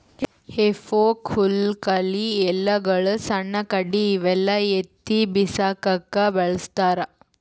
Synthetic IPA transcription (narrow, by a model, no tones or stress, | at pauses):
hefoːkʰulkɐliɛlːɐɡɐɭɐsɐɳːɐkɐɽiːʋɛlːɐet̪ːibisaːkɐkːɐbɐɭɐst̪aːɾɐ